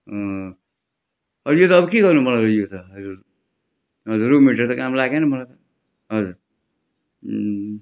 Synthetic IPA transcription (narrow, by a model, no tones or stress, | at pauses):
ʌ | ʌɾjot̪ʌʌbʌkiɡʌrnumʌlaɾojot̪ʌʌɾu | ɦʌd͡zuɾumiʈʌɾt̪ʌkamlaɡenʌmʌlat̪ʌ | ɦʌd͡zuɾ